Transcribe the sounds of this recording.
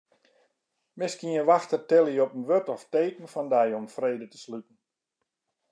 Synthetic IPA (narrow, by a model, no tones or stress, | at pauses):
mɪskiəʋaxtərtɛlˠiɔpənʋøtɔfteːkən̩fɔndɛjɔmfreːdətə̥slytn̩